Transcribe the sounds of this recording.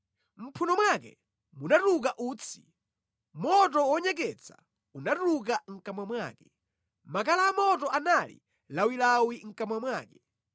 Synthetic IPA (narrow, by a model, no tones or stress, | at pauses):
m̩pʰunɔmwak̬ɛ̰ | munatukaʔuːt͡sʰi̥̰ | mɔt̬ɔwɔɲɛk̬ɛt͡sʰḁ̰ | unatuk̬aŋ̩kamwamwa̰ːkɛ | makalaːmɔt̬ɔʔanalḭ | lawilawiŋ̩kamwamwaːkɛ